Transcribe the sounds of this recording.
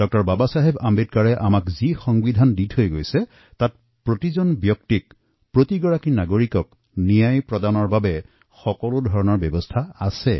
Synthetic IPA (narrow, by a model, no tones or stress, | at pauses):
dɔk̚tɔɹbabasaɦebambit̚kaɹɛʔamakzixɔŋbidʱanditʰhojɡojsɛ | tat̚ | pɹotizɔnbjɔk̚tik̚ | pɹotiɡɔɹakinaɡoɹikɔk | nijajpɹɔdanɔɹbabɛ | xɔkɔlʊdʱɔɹɔnɔɹbɔbɔstʰaasɛ